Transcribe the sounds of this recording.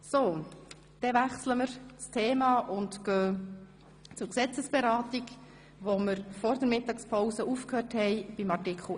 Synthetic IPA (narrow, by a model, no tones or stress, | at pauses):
so | d̪̥ɛvæχsləməɾt͡stʰeːmɑːʔʊntɡ̥øː | t͡sʊɾksɛt͡səsb̥ɛɾɑːtiɡ | ʋoməɾfɔɾd̪əɾmɪtɑkspʰɔʊsəʔufkhøːɾthɛɪb̥imɑrtɪkχl̩